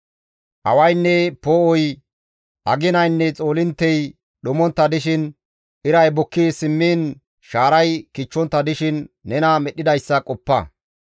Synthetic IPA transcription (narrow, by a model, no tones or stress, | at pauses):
ʔɐ̰wɐjnːɛpoɔj | ʔɐɡɪnɐjnːɛt͡sʼo̞ːlɪnt̪ːɛj | ɗʊmɔnt̪ːɐd̪ɪʃɪn | ʔɪɾɐjbɔkːɪsɪmːiːn | ʃaːɾɐjkɪt͡ʃːɔnt̪ːɐd̪ɪʃɪnːɛnɐmɛɗːɪd̪ɐjsːɐkʼɔpːɐ̰